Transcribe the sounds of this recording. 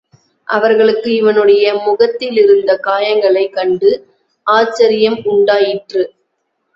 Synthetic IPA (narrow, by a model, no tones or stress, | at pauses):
ʔɐʋɐɾɣɐɭɯkːɯɪʋɐnɯɽɐjɐmʊɣɐt̪ːɪlɪɾɯnd̪ɐkaːjɐŋɡɐɭɐɪkːɐɳɖɯ | ʔaːt͡ʃːɐɾɪjɐmʊɳɖaːjɪʈrɯ